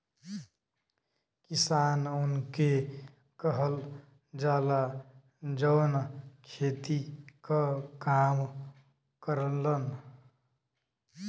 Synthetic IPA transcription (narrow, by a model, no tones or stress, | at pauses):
kisanunke | kəɦəl | d͡ʒaːla | d͡ʒəwnkʰet̪ikʌkam | kəɾənlən